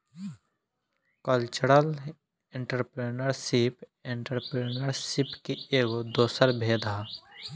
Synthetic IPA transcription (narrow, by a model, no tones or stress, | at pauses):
kəlt͡ʃəɾəl | ẽɳʈəɾpɾenəɾsipẽɳʈəɾpɾeːnəɾsɪpkieːɡod̪oːsəɾbʱeːd̪ʱaː